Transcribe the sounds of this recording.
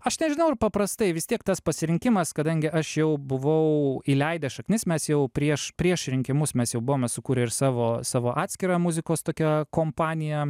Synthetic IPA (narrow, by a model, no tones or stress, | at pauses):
ɐʃnʲɛʒʲɪnɐʊɪɾpɐpɾɐst̪ɐɪʋʲɪst̪ʲiɛkt̪ɐspɐsʲɪɾʲɪŋʲkʲɪmɐskɐd̪ɐŋʲɡʲɪʔɐʃjɛʊbʊʋɐʊiːlʲɛɪd̪ʲɛʃɐknʲɪsmʲɛsjɛʊpʲɾʲiɛʃpʲɾʲiɛʃɾʲɪŋʲkʲɪmʊsmʲɛsjɛʊbʊʋoːmʲɛsʊkuːɾʲɪɪɾsɑːʋoːsɑːʋoːʔɑːt̪ʲsʲkʲɪɾɑːmʊzʲɪkoːst̪oːkʲɛkoːmpɑːnʲɪjɛ